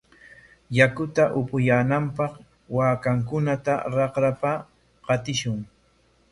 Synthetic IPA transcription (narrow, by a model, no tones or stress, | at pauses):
jakʊt̪aʔʊpʊjaːnampɑχ | waːkaŋkʊnat̪a̰ɾɑqɾapa | qɑt̪ɪʃʊŋ